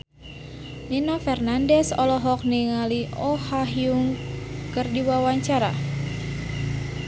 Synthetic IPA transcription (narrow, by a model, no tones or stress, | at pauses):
ninafɛrnandɛsɔlɔɦɔk̚niŋaliʔɔhaɦiuŋkɨrdiwawaɲt͡ʃaɾa̰